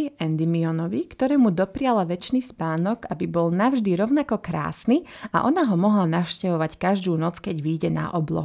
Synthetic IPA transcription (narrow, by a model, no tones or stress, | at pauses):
ɛnd̪imiɔnɔʋikt̪ɔɾɛːmud̪ɔpɾɪalaʋɛt͡ʃnispaːnɔɡabibɔlnavʒd̪iɾɔʊnakɔkɾa̰ːsnia̰ʔɔnaɦɔmɔɦlanafʃcɛʋɔʋackaʒd̪uːnɔt͡skɛɟʋiːɟɛna̰ʔɔblɔ̰ɦu